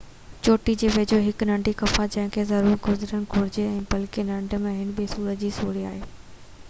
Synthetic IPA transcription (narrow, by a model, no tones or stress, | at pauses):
t͡ɕoːʈid͡ʑeːʋeːd͡ʑoɦɪknɐ̃ɳɖʱikɐfad͡ʑɐ̃ɦɪ̃kʰeːzɐɾuːɾɡʱʊzɪɾənɪ̆ɡʱʊɾɪd͡ʑeɛ̃ːpɐlkenɐ̃ɳɖʱə̆mẽɦɪnbisuːɾəd͡ʑiːsuːɽia̰ːɦeː